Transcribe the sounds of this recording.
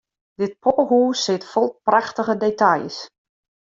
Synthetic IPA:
d̥ɪt̚pʰoːɦuːsɪtfɔlˠpraxtəɣədetajs

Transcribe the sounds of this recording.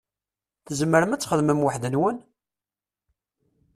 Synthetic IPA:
θəzməɾəmæt͡sːχəðməmwaħðənwən

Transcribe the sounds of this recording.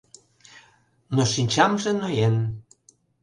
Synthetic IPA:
noʃinʲt͡ɕɑmʒĕnojen

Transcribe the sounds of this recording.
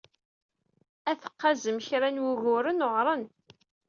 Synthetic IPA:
æθə̥qːazəmçɾænwuʝʊɾənʊʁɾˤən

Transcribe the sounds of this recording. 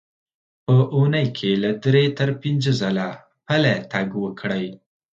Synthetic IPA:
pəʔunəjkʰelad̪ɾet̪əɾpinzəzala | palat̪aɡwəkʰɽəj

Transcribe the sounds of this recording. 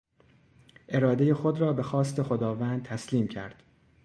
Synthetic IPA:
ʔe̞ɾɒːd̪e̞jexod̪ɾɒːbe̞xɒːst̪ʰe̞xo̞d̪ɒːvæːnd̪̚t̪ʰæsliːmcʰæ̰ɾd̪̥

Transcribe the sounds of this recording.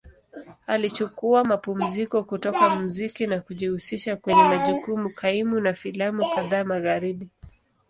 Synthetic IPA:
alit͡ʃukuamapum̩zikɔkutɔkamuzikinakuʄihusiʃakwɛɲɛmaʄukumukʰaimunafilamukaðaːmaɣaɾiɓi

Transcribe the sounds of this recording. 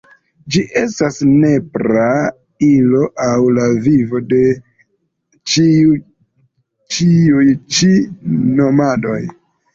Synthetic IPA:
d͡ʒiʔe̞stasne̞pɾa | ilo̞ʔawlavivo̞de̞ | t͡ʃi | t͡ʃiujt͡ʃino̞mado̞̰j

